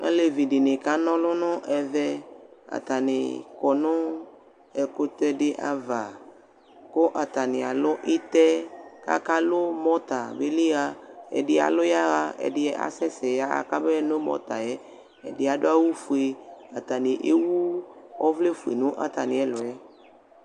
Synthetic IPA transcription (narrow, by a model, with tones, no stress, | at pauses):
ḛ˦le˨vi˨ɖɪ˨nɪ̃˨ka˦nɔ̃˦lʊ̃˦nʊ̃˦ʔɛ˨vɛ˦a̰˨t̪a˨nɪ̰̃˨kɔ˨nʊ̃˦ | ɛ˨ko˦t̪ɛ˦ɖɪ˦ʔa̰˦va˨ | ko˦ʔa˨t̪a˨nɪ˨a˨lʊ˦ʔi˦t̪ɛ˦ka̰˦ka˦lʊ˦mɔ̃˦t̪a˨be˦li˦ɣa˦ɛ̰˨ɖɪ˦a̰˨lʊ˦ja˦ɣa˦ɛ̰˨ɖɪ˦ɛ˦ʔa̰˨sɛ˦sɛ˨ja˦a̰˨ka˦bɛ˦no˦mɔ̰˦t̪a˨jɛ˦ | ɛ̰˨dɪ˦a˨do˦a˦wu˦fu˨e˨a˨t̪a˨nɪ˨ʔe˦wu˦ɔ˦vle˦fu˨ḛ˨nũ˦ʔa̰˨t̪a˨nɪ̃˨ɛ˦lʊ˨ɛ˦